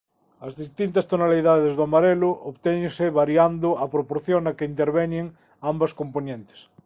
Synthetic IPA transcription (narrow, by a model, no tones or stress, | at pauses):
ɐzðist̪int̪ɐst̪onaliðaðezðomaɾelʊʔoβt̪eɲseβaɾjand̪ʊapɾopoɾθjonakeint̪eɾβeɲeŋ | ambɐskomponẽnt̪e̥s